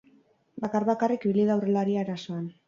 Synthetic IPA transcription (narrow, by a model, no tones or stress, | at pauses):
bakarβakarikbiliðawrelaɾiaeɾaso̞an